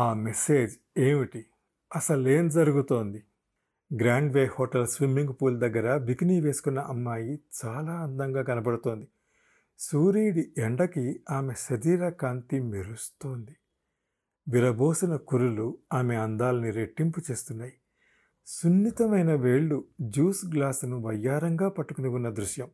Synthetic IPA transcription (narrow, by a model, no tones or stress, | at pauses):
aːmese̞ːd͡ʒ | eːmiʈi | ɐsɐle̞ːmd͡ʒɐɾuɡut̪o̞ːnd̪i | ɡɾaːɳɖʋeːhoːʈɐlsʋimːiŋɡpuːld̪ɐɡːɐɾɐbikiniːʋe̞ːsu̥kunːɐʔɐmːaːjit͡ʃaːlaːɐnd̪ɐŋɡaːɡɐnɐpɐɽut̪o̞ːnd̪i | suːɾiːɽieɳɖɐkiaːme̞sɐd̪iːɾɐkaːnt̪imeɾust̪oːnd̪i | ʋiɾɐboːsɐnɐkuɾuluaːme̞ɐnd̪aːlɐniɾe̞ʈːimput͡ʃe̞ːst̪unːaːji | sunːit̪ɐmɐjnɐʋeːɭːud͡ʒuːsɡlaːsnuʋɐjːaːɾɐŋɡaːpɐʈːukuniunːɐd̪ɾuʃjɐm